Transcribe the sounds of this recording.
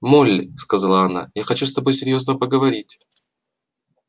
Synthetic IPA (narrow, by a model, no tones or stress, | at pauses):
molʲːɪskɐzalˠəɐna̰jaxɐt͡ɕust̪ɐbo̞jsʲɪɾʲjo̞znəpəɡəvɐɾʲitʲ